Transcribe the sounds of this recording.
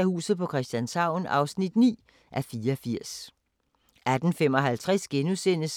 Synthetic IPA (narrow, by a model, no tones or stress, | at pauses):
æhṵːsð̩ˠpʰɒ̽kʰʁɛsd̥jænsɑ̈ʊ̰nɑ̈ʊsnid̥nḭː | ʔæfiːɐɒfiɐ̰s | æd̥n̩fem̰ɒ̽ɦælt͡sʰʁɛsɡ̥enusen̰əs